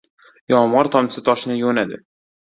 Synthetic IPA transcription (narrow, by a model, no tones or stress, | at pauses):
jɒmʁɒɾt̪ʰɒmsɪt̪ʰɒʃɪnɪjonad̪ɪ̰